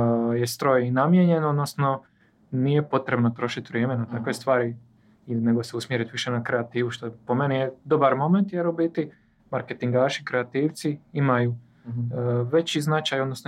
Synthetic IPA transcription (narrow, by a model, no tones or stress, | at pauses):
je̞st̪ɾo̞jinamjeɲe̞no̞d̪no̞sno̞ | nije̞po̞t̪ɾe̞bno̞t̪ɾo̞ʃit̪ʋɾʲjeːmenat̪akʋest̪ʋaːɾi | ine̞ɡo̞seusmjeɾit̪ʋiʃe̞nakɾeat̪iːʋuʃt̪opo̞me̞nijed̪o̞baɾmo̞me̞nt̪jeɾubit̪i | maɾket̪iŋɡaːʃikɾeat̪iːʋt̪siimaju | ʋe̞t͡ɕiznat͡ʃajod̪nosno